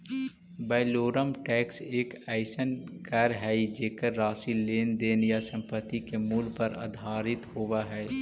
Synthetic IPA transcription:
baːɪloːɾəmʈɛːkseːkaːɪsənkəɾɦɛid͡ʒeːkəɾːaːsileːnd̪eːnjasə̃mpət̪ːikemuːlpəɾa̰d̪ʱaːɾɪt̪hoʋaɦɛː

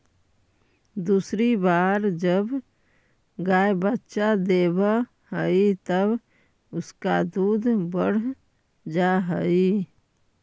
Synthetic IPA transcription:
d̪uːsɾibaːɾd͡ʒəb | ɡaːjbətːʃad̪eːba | həit̪əb | ʊskad̪uːd̪ʱbəɽ̤ | d͡ʒaɦəi

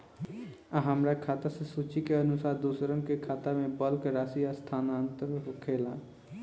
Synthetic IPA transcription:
aɦəmɾakʰaːt̪asesut͡ʃikeənʊsaːɾd̪usɾənkekʰaːt̪amẽbəlkɾaːsijast̪ʰaːnaənt̪əɾɦokʰela

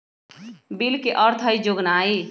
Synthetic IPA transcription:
bilkeʔəɾt̪ʰəjd͡ʒoɡnai

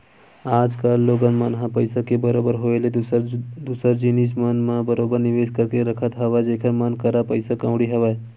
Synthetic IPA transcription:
aːd͡ʒkalːoːɡənmənɦapəɪsakebəɾoːbəɾɦoːele | d̪usəɾd͡ʒiniʃ̬mənmabəɾoːbəɾnɪʋeːskɐɾkeɾɐkʰət̪ɦɐʋad͡ʒeːkʰəmənkəɾapəɪsakãːʊɽiɦɐʋae

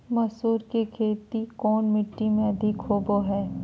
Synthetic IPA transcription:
mɐsuːɾkikʰeːt̪ikɔːnmɪʈːimẽɐd̪ʱɪkɦoːboɦɛː

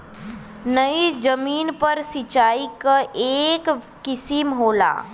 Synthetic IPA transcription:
nəid͡ʒəmiːnpəɾsit͡ʃaːikaʔeːkː | ɪsimɦoːla̰ː

